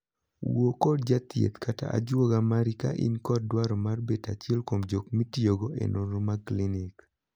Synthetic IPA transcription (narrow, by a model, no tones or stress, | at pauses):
wokɔd̚d͡ʒat̪ɪḛt̪kata̰ʔa̰d͡ʒwoɡamaɾika̰ʔḭnkɔd̚dwaɾɔmarbetat͡ʃɛlkomd͡ʒokmitioɡoʔḛnʔoɾomaklinɪk